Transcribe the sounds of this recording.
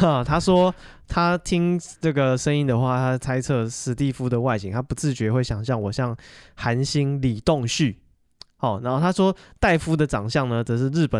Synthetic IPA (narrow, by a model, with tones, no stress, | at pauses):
ə˩t̪ʰa˥ʂwɔ˥ | t̪ʰa˥t̪ʰi˥ŋnə˥˩ɡə˩ʂə˥ŋi˥ŋd̪ə˨xwa˥˩t̪ʰa˦˥˨t͡sʰa˥ɪt͡sʰɤ˥˧ʂɻ̩˧t̪i˥˨˩fu˦d̪ə˨wa˥˩ɪɕi˨˥ŋt̪ʰa˥pu˧˦t͡sɹ̩˥˩t͡ɕɥɛ˧˥xwe˥˩ɪɕjɑ˨˩ŋɕjɑ˥˩ŋwɔ˨˩ɕjɑ˥˩ŋxa˧˦nɕi˦˥nli˨˩t̪o˥˨˧ŋɕy˥˨˩ | ɔ˨˩na˨˧˦nxo˥˩t̪ʰa˥ʂwɔ˥t̪a˥˩ɪfu˦d̪ə˨ʈ͡ʂɑ˨˩ŋɕjɑ˥˩ŋnə˨t͡sə˨˩ʂɻ̩˥˧ɻɻ̩˥˩pə˨